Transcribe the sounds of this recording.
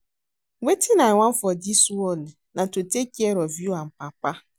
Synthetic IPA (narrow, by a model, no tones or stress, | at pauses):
wetʰinaŋʷãm̩fɔdisuɔnɛ | nãtotekiɛɾɔvjuam̩pak͡pa